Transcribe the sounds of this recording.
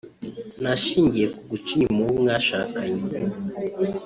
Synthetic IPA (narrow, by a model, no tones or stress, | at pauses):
naʃiŋɡɛkuɡut͡ʃimuŋɡaʃakaɲi